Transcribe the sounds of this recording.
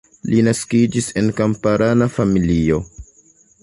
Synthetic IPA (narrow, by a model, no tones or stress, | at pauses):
linaskid͡ʒise̞nkampaɾʔanafamilio̞